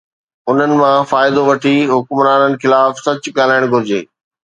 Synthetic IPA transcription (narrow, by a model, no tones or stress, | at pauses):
ʊn̤ənɪ̆mãfaːɪd̪oʋɐʈʰiɦʊkmɾaːnənɪ̆xɪlaːfsɐt͡ɕɠaːl̤aːɪɽ̃ɡʱʊɾɪd͡ʑeː